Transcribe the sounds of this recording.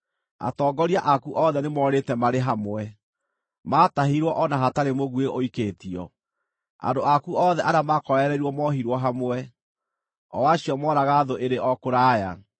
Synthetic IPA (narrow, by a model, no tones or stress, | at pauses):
a̰tɔːɡɔɾiaʔakuʔɔðɛnemɔːɾetɛmaɾeɦamwɛ | maːtaɦiɾwɔʔɔnaɦataɾemoɣweoikeːtiɔ̰ | a̰ndoakuɔðɛʔaɾamakɔɾɛɾɛɾwɔmɔɦiɾwɔɦamwɛ | ɔwaɕiɔmwɔɾaɣaːðoʔeɾeʔɔkoɾaːja